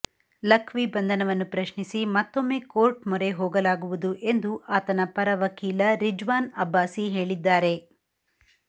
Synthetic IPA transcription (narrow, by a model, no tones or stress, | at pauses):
lɐkʰʋibɐnd̪ʱɐnɐʋɐnːupɾɐʃɳisimɐt̪ːo̞mːe̞ːkoːɾʈmɔɾe̞ɦoːɡɐlaːɡuʋud̪uʔe̞nd̪uʔaːt̪ɐnɐpɐɾɐʋɐkiːlɐɾid͡ʒʋaːnɐbʱːaːsiɦe̞ːɭid̪ːaːɾe̞